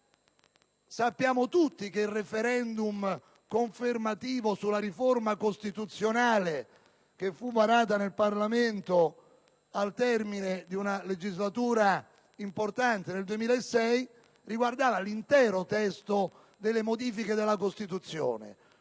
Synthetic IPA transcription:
sapːjaːmot̪ut̪ːikeilrefeɾɛnd̪um | koɱfermat̪iːvosulːaɾiformakost̪it̪ut̪sjonaːle | k̟efːuvaɾaːt̪̬anelparlament̪o | alt̪ɛrminɪd̪iunaled͡ʒizlat̪uːɾa | import̪ant̪eneld̪uemiːlaesːɛj | riɡward̪aːvalint̪ɛːɾʊt̪ɛst̪o | d̪elːemod̪iːfiked̪elːakost̪it̪ut̪sːjo̰ːnḛ

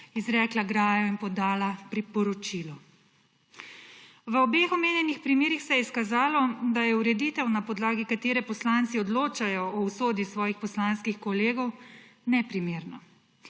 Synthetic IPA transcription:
izɾɛːklaɡɾaːjɔinpɔd̪aːlapɾipɔɾɔt͡ʃiːlɔ | ʋəɔbeːxɔmeːnjɛnixpɾimeːɾixsɛjɛskazaːlɔd̪ajɛuɾɛd̪iːt̪ɛwnapɔd̪laːɡikat̪eːɾɛpɔslant̪siɔd̪loːt͡ʃajɔɔwsoːd̪jisʋɔːjixpɔslanskixkɔleːɡɔwnɛpɾimeːɾnɔ

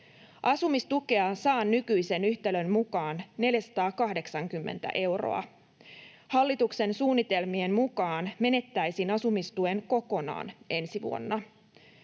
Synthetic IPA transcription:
ʔɑsumist̪ukeɑsɑːnːykyjse̞nyçt̪elø̞nmukɑːnne̞ljæsɑ̥t̪ɑːkɑhde̞ksɑŋkymːe̞̰nt̪æ̰ʔe̞wro̰ɑ̰ | hɑlːit̪ukse̞nsuːnːit̪e̞lmie̞nmukɑːnme̞ne̞t̪ːæjsinɑsumist̪ue̞ŋko̞ko̞nɑ̰ːne̞nsiʋṵonːɑ

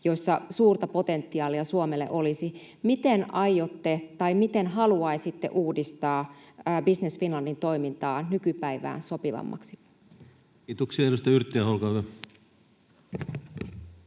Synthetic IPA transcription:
jo̞sːɑsuːrt̪ɑpo̞t̪e̞nt̪ːiɑːliɑsuomelːḛʔo̞lisi | mit̪enɑjjot̪ːet̪ɑimit̪enɦɑluɑisit̪ːḛʔuːdist̪ɑːbisnesfinlɑndint̪o̞imint̪ɑːnnykypæiʋæ̰ːnso̞piʋɑ̰mːɑ̰ksi̥ | it̪uksieɾust̪ɑyrit̪ːiæholkɑːkø

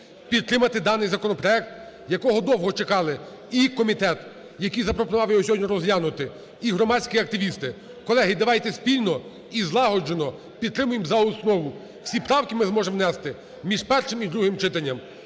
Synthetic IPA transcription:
pʲid̪̚t̪ːɾɪmɐt̪ɪd̪ɑnɪjzɐkɔnɔpɾɔɛk̚t̪jɐkɔɦɔd̪ɔwɦɔt͡ʃekɑlˠɪ | ikɔmʲit̪ɛt̪ | jɐkijzɐpɾɔpʊnɑwjɔɔsʲɔdʲnʲɔɾɔzlʲanʊt̪ɪ | iɦɾɔmɑt͡sʲkʲiɐk̚t̪ɪʋʲist̪ɪ | kɔlˠɛɦɪd̪ɐʋɑjt̪ɛspʲilʲnɔ | izlˠɑɦɔd͡ʒenɔ | pʲid̪̚t̪ɾɪmʊjɪmzɐʊsnɔʋʊ | w̥sʲipɾɑwkʲɪmɪzmɔʒɛmwnɛst̪ɪ | mʲiʒpɛrʃɪmid̪ɾuɦɪmt͡ʃɪt̪ɐnʲːɐm

